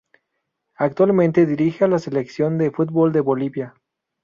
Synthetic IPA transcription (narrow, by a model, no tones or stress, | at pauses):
ak̚t̪walmẽ̞nt̪eðiɾixealase̞leksjo̞nd̪e̞fut̪̚bold̪e̞βo̞liβja